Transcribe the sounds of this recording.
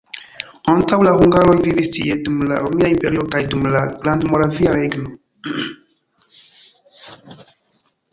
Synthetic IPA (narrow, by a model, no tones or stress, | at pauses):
antawlahuŋɡaɾo̞jvivistḭedumla̰ɾomiaimpeɾiokajdumlaɡlandmoɾaviaɾeɡno